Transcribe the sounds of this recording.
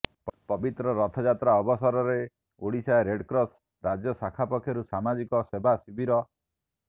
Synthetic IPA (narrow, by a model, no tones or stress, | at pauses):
pɔbit̪ɾɔɾɔt̪ʰɔd͡ʒat̪ɾaɔbɔsɔɾɔɾe | oɽisaeɾeɖkɾɔs | ɾad͡ʒjɔsakʰapɔkʰːjɔɾusamad͡ʒikɔsebʱasibiɾɔ